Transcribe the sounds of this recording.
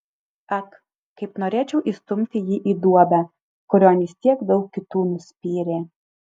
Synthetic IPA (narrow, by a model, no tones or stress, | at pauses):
ɐk | kɐɪpnoːɾʲeːt͡ʃʲɛʊʔist̪ʊmʲt̪ʲɪjiʔid̪uɔbʲɛ | kʊɾʲoːnʲɪst̪ʲiɛkd̪ɐʊkʲkʲɪt̪uːnʊsʲpʲiːɾʲeː